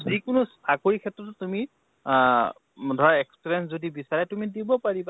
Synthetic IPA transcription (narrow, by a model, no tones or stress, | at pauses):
zikʊnʊstʰakoɹikʰɛtːɹɔttumi | dʱɔɹaɛkspɹɛnszodibisaɹɛtumidibɔpaɹiba